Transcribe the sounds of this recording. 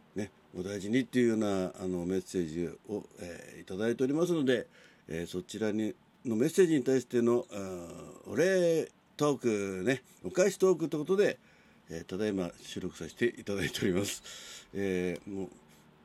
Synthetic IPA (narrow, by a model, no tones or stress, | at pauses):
ne̞ | od̪aiʑiɲ̟it̪ːe̞iɯ̟jo̞ːnaːno̞me̞se̞ːʑio̞̰ḛit̪ad̪ait̪e̞o̞ɾʲimas̬ɨno̞d̪e̞ | eso̞t͡ɕiɾaɲi | no̞me̞sːe̞ːʑiɲ̟it̪aiɕi̥t̪e̞no̞ | o̰ɾe̞ | t̪o̞ːkɯ̟ne̞ | okaiɕi̥t̪o̞ːkɯ̟t̪ːeko̞t̪o̞d̪e̞ | et̪ad̪aimaɕɨːɾo̞kɯ̟saɕi̥t̪e̞ʔit̪ad̪ait̪e̞oɾʲimasɨ̥emo̰ː